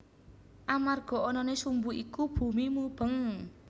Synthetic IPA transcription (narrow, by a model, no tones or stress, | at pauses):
ʔamarɡ̥ɔ̤ɔnɔnesumbuʔikub̥ṳmimub̥əŋ